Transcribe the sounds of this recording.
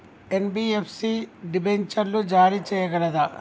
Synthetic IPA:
enbiːepʰsiɖibeɲt͡ʃɐɾlud͡ʒaːɾit͡ʃɛːjɐɡɐlɐd̪ɐ

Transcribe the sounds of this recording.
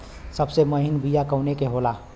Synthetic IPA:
səbseməɦɪnbijakəʊnekeɦoːlaː

